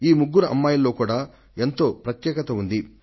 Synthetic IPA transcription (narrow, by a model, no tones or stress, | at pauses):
iːmuɡːuɾɐʔɐ̰mːaːjɐlːo̞ːkuːɽaː | e̞nt̪o̞ːpɾɐt̪jɛːkɐt̪ɐund̪i